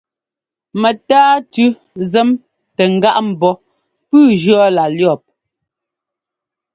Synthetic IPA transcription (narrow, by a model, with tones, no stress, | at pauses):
mɛ˨taː˦tʉ˦ | zɛ˦m | tɛ˨ŋ̩˨ɡa˦ʔm̩˨bɔ˦ | pʉː˦d͡ʒɰɔ˦la˨ljɔ˨p̚